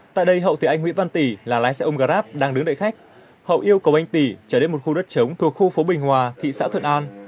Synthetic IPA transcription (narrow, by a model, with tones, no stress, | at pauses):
t̪a̰ː˧˨jɗə˧jɦə̰˧˨wt̪ʰi˨˩ʔa˧jŋŋw̰ənva˧nt̪i˧˩laː˨˩laː˨˦jsɛ̰˧˥ʔo˧ŋ͡mɣaː˧ɾaː˦˥p̚ɗaː˧ŋɗɨ˨˦ŋɗə̰˧˨xa˦˥jk̚ | hə̰˧˨wʔi˧əwkə˨˩wʔa˧jŋ̟t̪i˧˩t͡ɕəː˧˩ne˧nmo˨˩t̚xu˧ɗə˦˥t̚t͡ɕə˨˦wŋ͡mt̪ʰu˨˩ək̚xu˧fo˨˦ɓï˨˩ŋ̟ɦwaː˨˩t̪ʰḭ˧˨sa̰ː˧˥t̪ʰwə̰˧˨nʔaː˧n